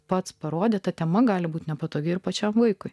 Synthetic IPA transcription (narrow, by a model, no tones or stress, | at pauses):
pɐt̪spɐɾoːd̪ʲeːt̪ɐt̪ʲɛmɐɡɑːlʲɪbuːt̪ʲnʲɛpɐt̪oːɡʲɪɪɾpɐt͡ʃʲɛmʋɐɪkʊɪ